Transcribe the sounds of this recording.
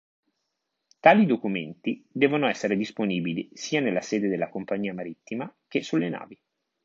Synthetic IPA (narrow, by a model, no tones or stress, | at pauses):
t̪aːlid̪okument̪id̪ɛːvonoɛsːeɾed̪isponiːbilisiːanelːasɛːd̪ed̪elːakompaɲːiːamaɾit̪ːimak̟esːulːena̰ːvi